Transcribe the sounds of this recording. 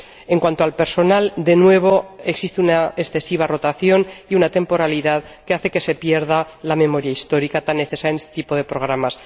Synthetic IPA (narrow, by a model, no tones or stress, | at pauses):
e̞ŋkwant̪o̞alpe̞ɾso̞nald̪e̞nwe̞β̞o̞eksist̪eunaesθe̞siβaro̞t̪aθjo̞niunat̪e̞mpo̞ɾaliðaðke̞aθe̞ke̞se̞pje̞ɾð̞alamẽ̞mo̞ɾjaist̪o̞ɾikat̪anːe̞θe̞sajene̞st̪et̪ipo̞ð̞e̞pɾo̞ɣɾamas